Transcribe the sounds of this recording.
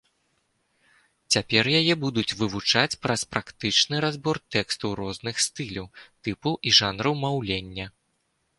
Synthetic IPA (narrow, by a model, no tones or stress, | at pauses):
t͡sʲapʲɛrjajɛbud̪ut͡sʲvɨvut͡ʂat͡sʲpɾɐspɾakt̪ɨt͡ʂnɨɾazbɔrt̪ɛkst̪uwɾɔznɨxst̪ɨlʲɐwt̪ɨpuʔiʐanɾɐwmawlʲenʲːɐ